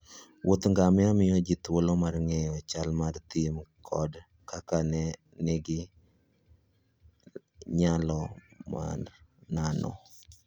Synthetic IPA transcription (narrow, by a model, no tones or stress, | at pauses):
wʔot̪ŋɡamɪamɪjɔd͡ʒɪt̪wolɔmarŋɛjɔt͡ʃalmart̪imkʰɔd | kakanɛ | nɪɡɪ | ɲalɔma̰rnanɔ̰